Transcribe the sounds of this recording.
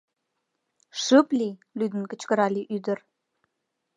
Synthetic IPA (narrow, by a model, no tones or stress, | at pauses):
ʃəplilyd̪ə̆nkə̆t͡ɕkə̆ɾɑliʔyd̪ə̆r